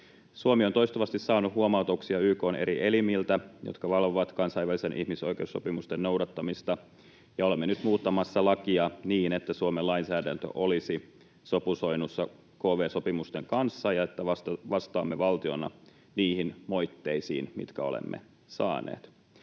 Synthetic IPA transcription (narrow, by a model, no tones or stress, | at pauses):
suomiont̪o̞ist̪oʋɑst̪issɑːnuhuomɑut̪oksiɑyːko̞ːnʔe̞ɾiʔe̞limilt̪æjo̰t̪kɑʋɑlʋoʋɑt̪kɑnsɑiʋælisenʔḭhmiso̞ikeusːo̞pimust̪enno̞wdɑt̪ːɑmist̪ɑ | jɑolemːenyt̪muːt̪ːɑmɑsːɑlɑkiɑniːnet̪ːæsuomelɑinsæːdænt̪ø̰ʔo̞lisi | so̞pusoinusːɑ | koːʋeːsopimust̪eŋkɑnsːɑjɑet̪ːæɑʋɑst̪ɑːmːeʋɑlt̪io̞̰nɑ̰ | niːhinmo̞jt̪ːeisḭːnmḭt̪kæo̞̰lḛmːḛ | sɑ̰ːnḛːt̪